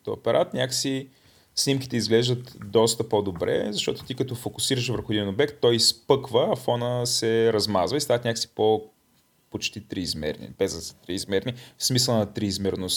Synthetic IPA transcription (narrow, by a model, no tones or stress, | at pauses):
t̪ɔ̰o̰pɛɾʔat̪nʲaksi | snimkʲi̥t̪ɛizɡlɛʒd̪ət̪d̪ɔst̪əpod̪obɾɛ̰zɐʃt̪ɔt̪ʊ̥t̪ikət̪ɔfokʊsiɾəʃvəɾxod̪iɛnobɛkt̪ːɔjspɤkvəɐfɔnəsɛɾɐzmazvəist̪avɐt̪nʲaksi̥po | pot͡ʃt̪it̪ɾiːzmɛ̰ɾnḭbɛzəst̪ɾiːzmɛɾnifsmisəlˠnɐt̪ɾiːzmɛɾnos